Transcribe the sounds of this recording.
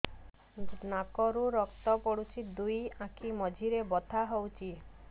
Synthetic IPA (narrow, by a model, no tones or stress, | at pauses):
nakɔɾuɾɔkt̪ɔpɔɽut͡ʃʰid̪ujãkʰimɔd͡ʒʱiɾebɔt̪ʰaɦowt͡ʃʰi